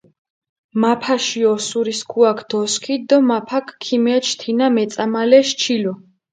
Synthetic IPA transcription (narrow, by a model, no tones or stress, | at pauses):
mapʰaʃiɔsuɾiskʰuakʰd̪̥ɔskʰid̪ɔmapʰakʰːimɛt͡ʃʰt̪ʰinamɛt̪sʼamalɛʃt͡ʃʰilɔ